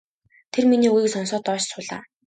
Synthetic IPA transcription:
t̪ʰerminiːuɣiːksɔnsɔːt̪ɔːt͡ɕsʊːɮa̰ː

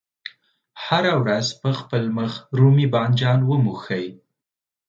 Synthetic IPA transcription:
haɾawɾazpəxpəlməxɾumibɑnd͡ʒɑnwəmuxəj

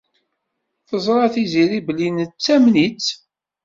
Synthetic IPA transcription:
θəzˤɾˤɑθiziɾiblinət͡sːæmnit͡sː

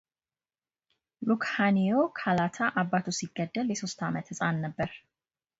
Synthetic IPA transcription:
lukhanijo̞kʰalat̪ʰaʔabːat̪ʰusiɡːəd̪ːəljɛso̞st̪amət̪hɨsʼanːəbːəɾ

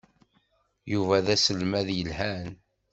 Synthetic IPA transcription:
juvæðæsəlmæðjəlhæn

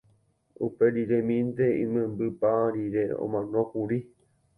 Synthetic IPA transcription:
upe̞ɾiɾẽmĩnt̪eḭ̃mẽmbɨpaɾiɾeõ̰mãnõ̞kuɾi

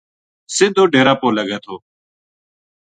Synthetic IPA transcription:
sɪ̃nd̪ʱoːɖeːɾaːpoːləɠẽːt̪ʰoː

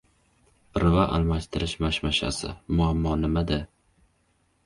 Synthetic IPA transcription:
ɾvaʔa̰lˠmaʃt̪ʰɪɾɪʃmaʃmaʃa̰sɪ̰mʊamːɒnɪmad̪a

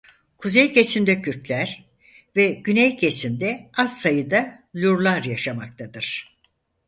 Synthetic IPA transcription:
kʰuzejcʰesimd̪ɛcʰyɾt̪lʲæɾ̥ | vɛɟynɛjcʰesind̪ɛazsajɯd̪alʲuɾlˠaɾjaʃamak̚t̪ʰad̪ɯɾ̥

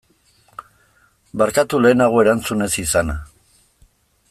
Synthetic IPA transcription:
baɾkat̪ule̞ːnaɣ̞o̞e̞ɾant͡sune̞sisana

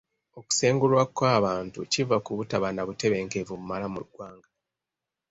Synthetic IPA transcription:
o̞ku̥se̞ːŋɡulwakwaːβaːntucivakuβutaβanaβute̞βe̞ːŋkevumumalamuuɡwaːŋɡa

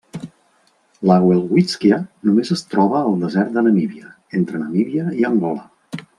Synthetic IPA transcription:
laɣwɛlˠɣwit͡skiənumezəst̪ɾɔβəːlˠd̪əzɛɾt̪̚d̪ənəmiβiə | ent̪ɾənəmiβiəiəŋɡɔlə

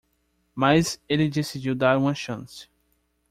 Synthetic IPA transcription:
mazelɪd̪esid͡ʒiwd̪aɾũmɐʃɐ̰̃sɪ̥

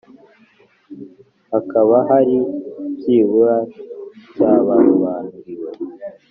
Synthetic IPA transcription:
hakaβaɦaɾibjiːβuɾa | caːβahuβaːnuɾiɾwe

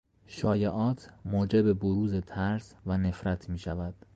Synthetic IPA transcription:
ʃɒːjeʔɒːt̪ʰmoːd͡ʒe̞beboɾuːze̞t̪ʰæɾsvæne̞fɾæt̪ʰmiːʃævæd̪̥

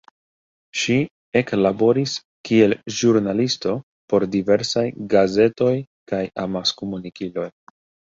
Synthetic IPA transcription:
ʃi | e̞klabo̞ɾis | kie̞lʒuɾnalisto̞ | po̞ɾdive̞ɾsajɡaze̞to̞j | kajamaskomunikilo̞j

